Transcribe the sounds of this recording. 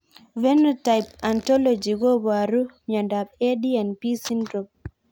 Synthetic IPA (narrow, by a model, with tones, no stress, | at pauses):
vɛ˦nɔtajp̚antɔ˦lod͡ʒi˨ɡɔ˦ba˨ɾu˦ɲa˨nda˨b̚e˦dianpi˦si˦ndɾɔp̚